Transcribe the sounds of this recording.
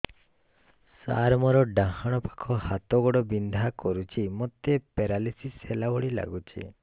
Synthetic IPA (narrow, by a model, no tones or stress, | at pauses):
sa̰ɾmɔɾɔɖãɦaɽ̃ɔpḁkʰɔhat̪ɔɡɔɽɔbind̪ʱakɔɾut͡ʃʰimɔt̪epeɾalisiselabɔɽila̰ɡut͡ʃʰḭ